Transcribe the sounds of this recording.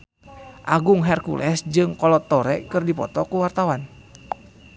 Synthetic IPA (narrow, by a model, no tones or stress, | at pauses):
ʔaɡuŋɦɛrkṵlʔɛsd͡ʒɨŋkɔlɔt̪ːɔɾɛ̰kɨrdipɔ̰t̪ɔkuwart̪awan